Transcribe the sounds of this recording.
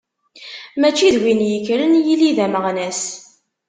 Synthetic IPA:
mæt͡ʃːiðwinjəkːɾənjiliðæməʁnæs

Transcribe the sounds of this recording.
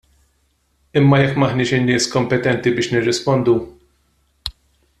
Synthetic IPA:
ɪmːɐjɛkːmɐħnɪːʃɪnːɪːskɔmpɛt̪ɛnt̪ibɪːʃnɪrːɪspɔnd̪u

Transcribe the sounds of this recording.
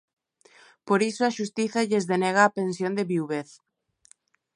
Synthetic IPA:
poɾisoaʃust̪iθaʎezðenɛɣ̞aːpensjond̪eβiwβeθ

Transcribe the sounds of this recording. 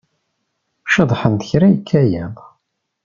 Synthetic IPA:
ʃəðˤħənt̪əçɾæjəkʰːæjæðˤ

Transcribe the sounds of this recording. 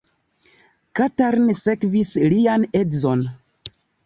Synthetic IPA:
kataɾnsekvisliane̞dzo̞n

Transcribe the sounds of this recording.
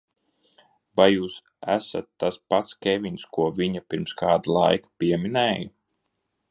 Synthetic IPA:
bajjuːs | æ̰sa̰t̪ːaspat̪skʲevʲinskuɔviɲapʲiɾmskaːd̪alˠajkḁpʲiɛminɛːju

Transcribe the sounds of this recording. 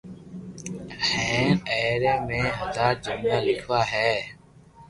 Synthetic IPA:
hɛ̃ːɛːɾeːmẽːɦəd̪aːɾd͡ʒənd̪aːlɪkʰʋaːɦɛː

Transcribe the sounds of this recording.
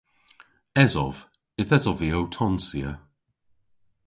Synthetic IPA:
ɛzɔv̥ | ɪθɛzɔviowtʰɔnsiə

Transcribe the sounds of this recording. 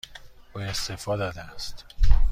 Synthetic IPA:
ʔue̞st̪efɒːd̪ɒːd̪eæst̪

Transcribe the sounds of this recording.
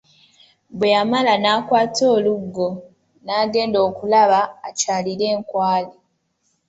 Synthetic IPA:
bwejamalanaːkwaːto̞ːluɡːo̞ | naːɡe̞ːndo̞ːkulaβaːcaːliɾe̞ːŋkwaːli

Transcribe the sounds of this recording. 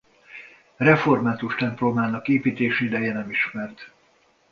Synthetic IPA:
rɛfo̞rmaːt̪uʃt̪ɛmplomaːnɒkeːpiːt̪eːʃɛid̪ɛjɛnɛmiʃmɛrt̪

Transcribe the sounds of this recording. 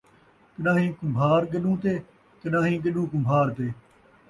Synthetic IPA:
kəɗãːɦĩːkʊmbʱaːɾɡəɗũːt̪eː | kənãːɦĩːɡəɗũːkʊmbʱaːɾt̪eː

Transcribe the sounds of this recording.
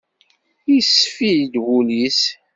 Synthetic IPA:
isfijd̪wulis

